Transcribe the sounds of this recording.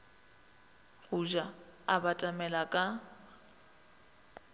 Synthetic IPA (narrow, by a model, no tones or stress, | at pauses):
ɣuʒaabatʼamɛlakʼa